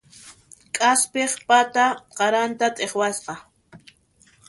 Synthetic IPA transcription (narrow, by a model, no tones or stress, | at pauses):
kʼaspeχpat̪aqɑɾant̪at̪ʼeχwasqɑ